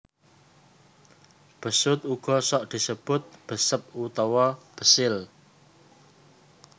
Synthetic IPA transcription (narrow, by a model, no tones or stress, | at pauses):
b̥ə̤sʊt̪̚uɡ̥ɔ̤sɔʔd̪̥i̤səb̥ʊt̪̚b̥ə̤səp̚ut̪ɔwɔb̥ə̤sɪl